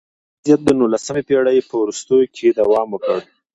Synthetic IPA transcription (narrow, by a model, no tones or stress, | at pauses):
zijat̪̚d̪ənulasəmepeɽajpəwɾust̪əjokʰed̪awɑmwəkəɽ